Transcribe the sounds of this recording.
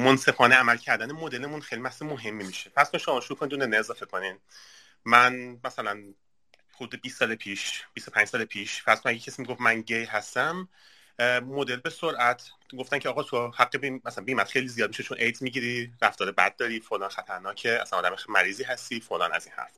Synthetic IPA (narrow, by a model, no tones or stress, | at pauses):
monse̞fɒːneæmælcʰæɾd̪ænemod̪e̞lemunxejlimæhsemoɦe̞mːimiʃefæɾz̥konʃomɒːʃuɾuːkʰo̞nid̪unenːeezɒːfe̞kʰo̞nin | mænmæsælæn | hud̪uːd̪ebiːst̪ːɒːlepʰiːʃb̥ist̪o̞pænd͡ʒsɒːlepʰiːʃfæɾz̥konæɡecʰesimiɡofmænɟejɦæst̪æmː | o̞d̪e̞lbe̞soɾʔæt̪ʰɡo̞ft̪æncʰeɒːɣɒːt̪ʰohæɡːebæsænbiːmæt̪χe̞jlizijɒːd̪̚miʃet͡ʃʰonʔejd̪zmiɟiɾiɾæft̪ɒːɾebæ̰d̪̚ːɒːɾiːfolɒːnxæt̪ʰæɾnɒːcʰeæ̰sænɒːd̪æmemæɾiːziːɦæst̪iːfolɒ̰ːnæ̰ziːnhæ̰ɾf